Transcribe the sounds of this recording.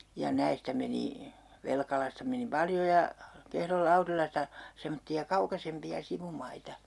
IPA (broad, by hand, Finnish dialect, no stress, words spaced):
jɑ næistæ meni ʋelkɑlɑstɑ meni pɑljo jɑ kehrol lɑurilɑstɑ semotːiɑ kɑukɑsempiɑ siʋumɑitɑ